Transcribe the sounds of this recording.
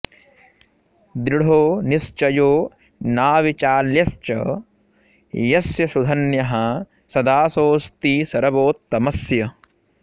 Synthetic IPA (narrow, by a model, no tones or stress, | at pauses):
d̪ɾiɽ̤ʱoːnist͡ʃɐjoː | naːʋit͡ʃaːljɐst͡ʃɐ̰ | jɐsjɐsud̪ʱɐnjɐɦɐ | sɐd̪aːsoːst̪iːsɐɾɐboːt̪ːɐmɐsjɐ